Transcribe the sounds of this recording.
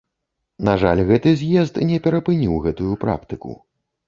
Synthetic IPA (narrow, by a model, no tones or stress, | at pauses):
naʐalʲɣɛt̪ɨzʲjɛzt̪nʲɛpʲɛɾɐpɨnʲiwɣɛt̪ujupɾa̰kt̪ɨkṵ